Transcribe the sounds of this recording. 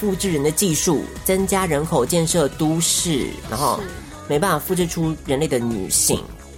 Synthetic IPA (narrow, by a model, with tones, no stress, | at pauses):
fu˥˧ʈ͡ʂɻ̩˥˩ɻə˧˦nd̪ə˧t͡ɕi˥˧ʂu˥˩t͡sə˦nt͡ɕja˥ɻə˧˥nkʰo˨˩ʊt͡ɕjɛ˥˧nʂɤ˥˨t̪u˦ʂɻ̩˥˩na̰˧˦ŋxo˥˧ʊ | me˧˥ɪpa˥˩n˩fa˨˩fu˥˧ʈ͡ʂɻ̩˥˩˧ʈ͡ʂʰu˥ɻə˧˦nle˥˩ɪd̪ə˩ny̰˨˩ɕḭ˥˨˩ŋ